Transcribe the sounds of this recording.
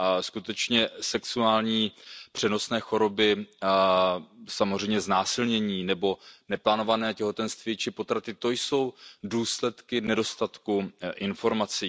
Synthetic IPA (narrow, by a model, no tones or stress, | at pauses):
skut̪ɛt͡ʃɲɛsɛksuaːlɲiːpr̝̥ɛno̞snɛːxo̞ɾo̞bɪ | samozr̝ɛjmɲɛznaːsɪlɲɛɲiːnɛbo̞nɛplaːno̞vanɛːcɛɦo̞t̪ɛnst̪vjɛt͡ʃɪpo̞t̪ɾat̪ɪt̪o̞jso̞wduːslɛt̪kɪnɛdo̞st̪at̪kuʔɪnfo̞ɾmat͡siː